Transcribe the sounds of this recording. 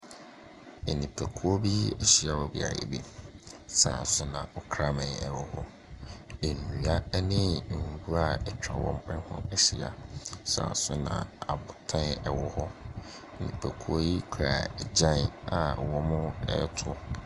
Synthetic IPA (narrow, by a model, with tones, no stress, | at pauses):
e˨nĩ˨pʰæ˨kʰu˦o˦bi˦ɛ˦˨ɕi˦a˨wɔ˨bḭ˨a̰˨ḛ˨bi˦sa˨sʊ˦nã˨ɔ˦kʰɾa˦mã˨ɛ˨wʊ˦hɔ˦ | e˨nũ˨a˦nɪ̃˦˨bu˦ɾa˨ɛ˨t͡ɕᶣɾa˨wɔ̰̃˦mɛ̃˦hʊ̰̃˦ɛ˨ɕi˨a̰˨sã̰ː˨sʊ˦nã̰˨a˨bʊ˨tʰã˦nɛ˨wɔ˦hɔ˦ | e˨nḭ̃˨pʰæ˨kʰu˦o˦ji˦kʰɾa˨ɛ˨d͡ʑã˦n˨a˨wɔ̃˦mʊ˦ɛ̰˦tʰʊ˦